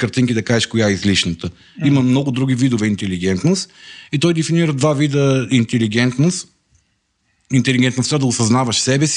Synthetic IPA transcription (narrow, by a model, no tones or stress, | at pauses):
kəɾt̪iŋkid̪ɐkaʒɛʃkojaizliʃnət̪ə | iməmnɔɡʊd̪ɾuɡ̟ivid̪ovɛint̪ɛliɡ̟ɛnt̪nost̪it̪ɔjd̪ɛfiniɾəd̪vavid̪əint̪ɛliɡɛnt̪nost̪ | int̪ɛliɡʲɛnt̪nost̪əd̪ɐʊsɐznavɐʃsɛbɛsi